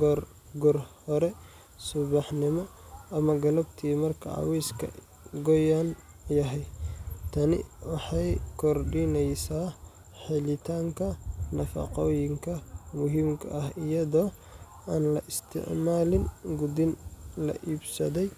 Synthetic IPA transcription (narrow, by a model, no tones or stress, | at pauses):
ɡɔr | ɡɔrhɔɾɛ | sʊβɑħnɪmɔɐmɐɡɐlɐbt̪ʰiːmɐrkʰɐ̰ʕɑ̰wɛjskʰɐ̰ | ɡɔjan | jɐɦɛjt̪ʰɐnɪ̰wɑħɑjkʰɔrɖɪnɛjsaː | ħɪlɪt̪ʰaːŋkʰɐnɐfɑ̰qɔːjɪŋkʰɐmʊɦiːmkʰɐ̰ʔɐɦɪjɐðɔː | ʔaːnlɐʔɪst̪ʰɪ̰ʕmaːlɪnɡʊd̪ɪnlɐ̰ʔiːbsɐðɛj